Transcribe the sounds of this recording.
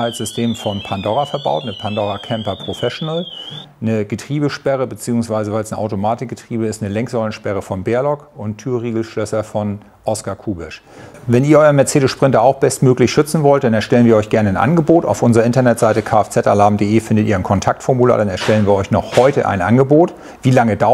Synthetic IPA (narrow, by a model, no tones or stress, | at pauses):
aɪlz̥ʏstʰeːmfɔnpʰandɔʁafɛɐba̰ʊtnəpʰandɔʁakʰɛmpɐpʁ̥ofɛʃonəl | nəɡətʁ̥iːbəʃpɛʁəbət͡siːʊŋsv̥aɪzəvaɪlsnəʔa̰ʊtomaːtɪk̚ɡ̥ətʁ̥iːbəɪstnəlɛŋkz̥ɔlənʃpɛʁ̞əfɔnbeːɐlɔkʊntʰːyːɐʁiːɡl̩ʃlœsɐfɔn | ʔɔskakʰuːbɪʃ | vɛniːɐɔʏɐnmɛɐt͡seːɾəsʃpʁ̥ɪntɐaʊxb̥ɛstmøːklɪçʃʏt͡sn̩vɔlt̚d̥anɛɐʃtɛlənviːɐɔʏçɡ̥ɛɐnəaɪnʔa̰nɡəboːta̰ʊfʔʊnzəʁɐɪntɐnɛtz̥aɪtəkʰaːɛft͡sɛta̰laːmdeːʔeːfɪndətʔiːɐaɪnkʰɔntʰak̚tfɔɐmula̰ːdanɛɐʃtɛlənviːɐɔʏçnɔχhɔʏtəʔa̰ɪnʔa̰nɡəboːt | v̥iːlaŋəda